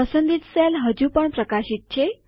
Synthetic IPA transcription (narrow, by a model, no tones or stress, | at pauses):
əsənd̪iːt̪selɦəd͡ʑuːpəɳpɾəkaɕit̪̚t͡ɕʰe